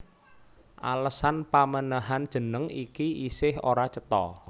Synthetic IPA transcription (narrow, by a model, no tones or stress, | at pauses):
ʔa̰ləsanpamənəɦand̥ʒ̥ə̤nəŋikiisɪhoɾat͡ʃət̪ɔ̰